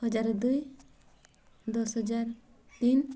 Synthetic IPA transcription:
ɦɔd͡ʒaɾd̪uj | d̪ɔsɦɔd͡ʒaɾ | t̪in

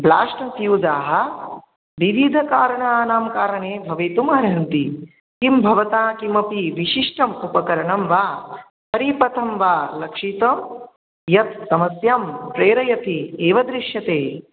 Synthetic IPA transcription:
bla̰ːʂʈɐt̪juːd͡ʒaːɦɐ̆ | ʋiʋid̪ʱɐkaːɾɐɳaaːnaːmkaːɾɐɳeːbʱɐʋeːt̪umɦɐɾɦɐnt̪i | kimbʱɐʋɐt̪aːkimɐpiʋiʃiʂʈɐmupɐkɐɾɐɳɐmʋaː | pɐɾipɐt̪ʰɐmʋaːlɐkʂit̪ɐm | jɐt̪̚sɐmɐsjaːmpɾeːɾɐjɐt̪ieːʋɐd̪ɾiʃjɐt̪eː

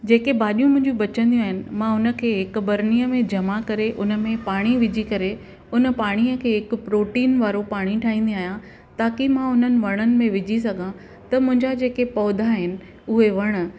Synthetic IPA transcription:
d͡ʑeːkebaːɗijũmʊ̃ɦɪ̃ɲd͡ʑũɓɐt͡ɕə̃nd̪ij̃aːɦɪnɪ̆mãʊnə̆kʰeːɦɪkbɐɾniːəmẽd͡ʑɐmakɐɾeʔʊnə̆mẽpaːɽ̃iʋɪd͡ʑʱikɐɾe | ʊnəpaːɽ̃iəkʰeːɦɪkʊ̆pɾoːʈiːnʋaːɾopaːɽ̃iʈʰaːɦĩːnd̪ĩaːɦjã | t̪aːkimãʊn̤ənɪ̆ʋɐɽ̃ənɪ̆mẽʋɪd͡ʑʱis̬ɐɡʱã | t̪ɐmʊ̃ɦɪ̃ɲd͡ʑad͡ʑeːkepɔːd̪ʱaɦɪnɪ̆ | ʊɦeʋɐɽ̃ə̆

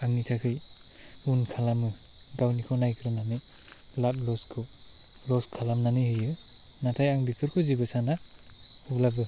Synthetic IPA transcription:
aŋnitʰakʰɯj | unkʰalamu | ɡawnikʰɔnajkʰɾɯnanɯj | lat̚lɔskʰɔ | lɔskʰalamnanɯjhɯjɯ | natʰajaŋbikʰɯɾkʰɔzibɯsana | ublabɯ

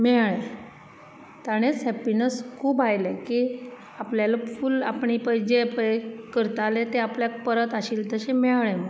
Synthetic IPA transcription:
mɛɭe | t̪aɽ̃esɦɛpinəskʰuːbajlekiː | apljalafuːla̰pɳipəjd͡ʑepəkəɾt̪alet̪eapljak̚pəɾət̪aɕiːlt̪əɕemɛɭem

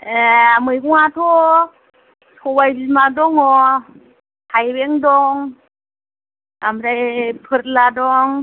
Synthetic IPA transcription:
eamɯjkuŋat̪ʰo | tʰobajbimadɔŋɔ | tʰajbɛŋdɔŋ | amdajpʰɯt̚ladɔŋ

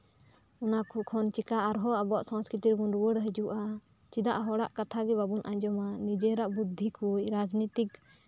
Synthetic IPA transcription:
ɔnakukʰɔnt͡ʃikaʔaɾɦɔabɔaʔsãskɾit̪iɾɡunɾuwəɽɦəd͡ʒuʔa | t͡ʃid̪aʔɦɔɽaʔkat̪ʰaɡɛbabunʔa̰ɲd͡ʒɔmanid͡ʒɛɾaʔbud̪ʱːikʰucɾad͡ʒnit̪ik

